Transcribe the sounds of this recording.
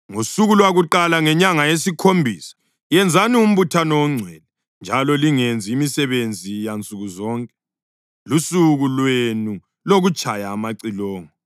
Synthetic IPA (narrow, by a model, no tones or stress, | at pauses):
ŋusuɣulwaɣuǃalaŋɛɲaŋajesikʰombʱiːsḁ | jɛnd͡zʱanium̩βutʰanɔwɔŋ͡ǀʱwɛlɛ | nd͡ʒʱalɔliŋend͡zʱiːmisɛβend͡zʱijant͡sʼuɣuzɔːŋkʼɛ | lusuɣulwenu | loɣut͡ʃʼajaːmaǀilɔːŋɔ